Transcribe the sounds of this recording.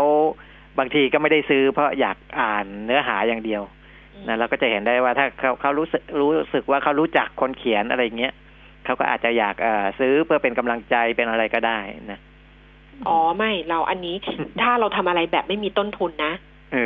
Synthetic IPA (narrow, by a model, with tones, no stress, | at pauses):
a˦˥˩w | baː˧ŋt̪ʰiː˧kɔː˥˩ma˥˩jda˥˩jsɯː˦˥pʰɾɔ˦˥jaː˨˩k̚ʔaː˨˩nːɯ˦˥ɐɦaː˩˦jaː˨˩ŋdi˧əw | na˦˥ɾa˧wkɔː˥˩t͡ɕa˨˩he˩˦ndaː˥˩jwaː˥˩t̪ʰaː˥˩kʰa˦˥˩kʰa˦˥wɾuː˦˥sɯ˨˩k̚ɾuː˦˥sɯ˨˩k̚waː˥˩kʰa˦˥wɾuː˦˥t͡ɕa˨˩kʰːo˧nkʰi˩˦ənʔa̰˧ɾa˧jːa˨˩ŋːi˦˥ɐ | kʰa˦˥wkɔː˥˩ʔaː˨˩t̪̚t͡ɕa˨˩jaː˨˩k̚ʔɤː˨˩sɯː˦˥pʰɯ˥˩ɐpe˧nka˧mla˧ŋt͡ɕa˧jpe˧nʔa˧ɾa˧jkɔː˥˩daː˥˩jna˦˥ | ʔʔɔː˩˦ma˥˩jɾa˧wʔa˧nːiː˦˥t̪ʰaː˥˩ɾa˧wt̪ʰa˧mʔa˧ɾa˧jbɛː˨˩p̚ma˥˩jmiː˧t̪o˥˩nt̪ʰu˧nːa˦˥ | ʔɯː˧˩